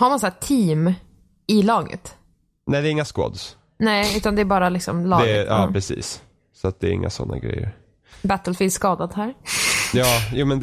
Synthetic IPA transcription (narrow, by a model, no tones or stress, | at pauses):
haɾmãnsat̪ʰiːm | ɪlɑːɡə̰t̪ | nɛjd̪ɛːɾɪŋːaskwɔ̰ːd̪s | nɛɪʉ̟ːt̪and̪ɛæɾbɑːɾalɪksɔ̰mlɑːd̪ɡɛʔɑːpɾɛsḭːs | sɔat̪̚d̪ɛːɾɪ̰ŋːa̰sɔ̰nːa̰ɡɾɛ̰jːə̰ɾ | bæt̪əlfɪːd̪skɑːd̪ad̪hæːɾjɑːjuːmɛnd̪